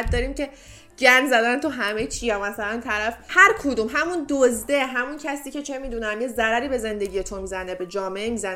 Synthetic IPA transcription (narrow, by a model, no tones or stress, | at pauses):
t̪̚d̪ɒɾiːmce̞ | d͡ʒæɾmzæd̪ænt̪ʰuɦæmejt͡ʃʰijæmæsælænt̪ʰæɾæfhæɾkʰod̪uːmɦæmund̪ozd̪e̞ɦæmuncʰæsiːce̞t͡ʃʰe̞miːd̪unæmjezæɾæɾiːbe̞ze̞nd̪e̞ɡɟije̞t̪ʰomiːzænebe̞d͡ʒɒːme̞ʔemiːzæn